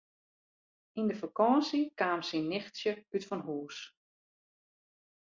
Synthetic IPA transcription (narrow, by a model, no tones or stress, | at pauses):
indəfakɔːsikaːmsinːɪxtsjəytfɔnɦuːs